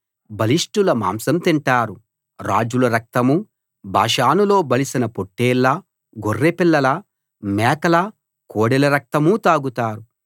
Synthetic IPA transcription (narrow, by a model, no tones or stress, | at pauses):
bɐliʂʈulɐma̰ːmsɐmt̪iɳʈaːɾu | ɾa̰ːd͡ʒulɐɾɐk̚t̪ɐmu | bʱa̰ːʂaːnulo̞ːbɐlisinɐpoʈːeːlːɐ | ɡorːepilːɐlɐ | mɛːkɐlɐ | koːɽɛlɐɾɐk̚t̪ɐmut̪aːɡut̪aːɾu